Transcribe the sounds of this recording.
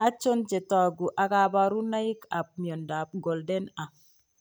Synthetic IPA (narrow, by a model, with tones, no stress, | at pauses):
a˦t͡ʃo˦nt͡ʃe˨tɔ˨ɡu˨ʔa˨ka˦ba˦ɾu˦na˦ji˦ka˨p̚mi˨o˨nda˨p̚ɡo˨lde˦na˨